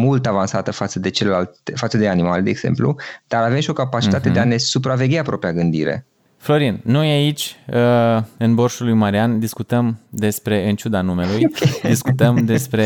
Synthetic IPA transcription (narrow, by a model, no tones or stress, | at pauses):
mult̪avansat̪əfat̪səd̪e̞t͡ʃelelalt̪efat̪səd̪e̞animald̪e̞ːɡz̥e̞̰mplṵd̪̥aɾave̞mʃio̞kapat͡ʃit̪at̪e̞d̪eane̞supɾave̞ɡʲapɾopɾiaɡɨnd̪ḭɾḛ | flo̞ɾinːo̞jait͡ʃʲəɨnbo̞rʃulujmaɾiand̪iskut̪əmd̪e̞spɾe̞ɨnt͡ʃud̪anume̞lujkʲd̪iskut̪əmd̪e̞spɾe